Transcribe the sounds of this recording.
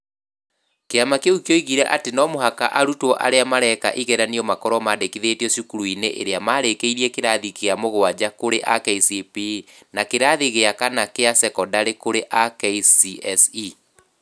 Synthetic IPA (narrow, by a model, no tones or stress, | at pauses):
keamakeukjoiɣiɾɛʔatenɔmoɦakaʔaɾutwɔʔa̰ɾeamaɾɛkaʔiɣɛɾaniɔmakɔɾɔmaːdekiðetiɔsukuɾuineʔḛɾeamaːɾekeiɾiɛkeɾaðikeamoɣowad͡ʑakoɾeʔakɛisiepi | nakeɾaðiɣeakanakeasɛkɔdaɾekoɾeʔakɛisiɛsi